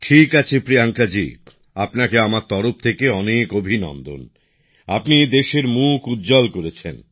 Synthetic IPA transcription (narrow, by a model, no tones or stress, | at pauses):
ʈʰikat͡ɕʰepɾiaŋkad͡ʑḭ | apnakeamaɾt̪ɔɾop̚t̪ʰekeɔnekobʱinɔ̰nd̪o̰n | apnid̪eʃeɾmukud̪d͡ʑɔlkoɾet͡ɕʰen